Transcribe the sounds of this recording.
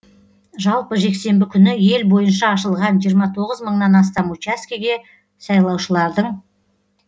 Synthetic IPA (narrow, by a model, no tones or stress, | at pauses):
ʒɑlˠpəʒe̞kse̞mbɪkʲʰʏnɪje̞lbo̞jənʃɑːʃəlˠʁɑnʒijəɾmɑt̪ʰo̞ʁəzməɴnɑnɑs̬t̪ɑmut͡ʃaskʲiɡʲe̞ | sɑjlˠɑwʃəlˠɑɾd̪əɴ